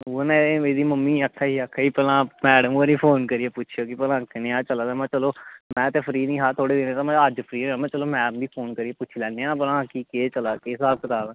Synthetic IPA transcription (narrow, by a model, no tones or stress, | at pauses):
onɛ̃ːeːd̪iːməmːiːəkʰːaːiːakʰːaːiːpɛːlãːmɛːɽəmoːɾiːpʰoːnkəɾɪjeːpʊːt͡ʃʰjoːkɪpəlãːkɪneãːt͡ʃəlaːd̪ːmɛ̃ːt͡ʃəloːmɛ̃ːt̪eːpʰəɾiːnĩːɦaːt̪ʰoːɽeːd̪eːnẽːt̪ãːmɛ̃ːəd͡ʒpʰəɾiːaːmɛ̃ːt͡ʃəloːmɛ̃ːbiːpʰoːnkəɾieːpʊt͡ʃʰilɛ̃ːneːãːpəlãːkikeːt͡ʃəlaːkeːsaːb̚kət̪aːlã